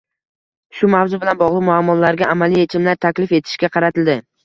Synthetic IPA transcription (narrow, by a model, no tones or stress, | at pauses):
ʃʊmavzʊbɪlanbɒʁlˠɨqmʊamːɒlaɾɡʲaamalije̞t͡ʃʰɪmlaɾt̪ʰakʲlɪfe̞t̪ʰɪ̥ʃkʲaqʰɑɾat̪ʰɪld̪ɪ